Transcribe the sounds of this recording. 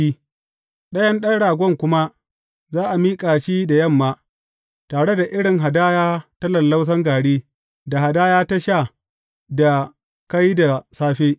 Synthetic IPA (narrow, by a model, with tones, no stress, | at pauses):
i˦ | ɗɐ˦jɐ˦nɗɐ˦ɽaː˨ɡʷɔ˦ŋkʷʊ˦ma˦ | zaː˦ʔa˨miː˦kʼaː˨ʃiː˦da˨jɐ˦˨mːaː˦ | taː˨ɽe˦da˨ʔɪ˦ɽɪ˨ŋɦa˨daː˦jaː˦tɐ˦lɐ˨lːa˦ws̬ɐ˦ŋɡaː˨ɽiː˦ | da˨ha˨daː˦jaː˦ta˦ʃa˦˨ | da˨ | ka˦jda˨saː˦ɸeː˦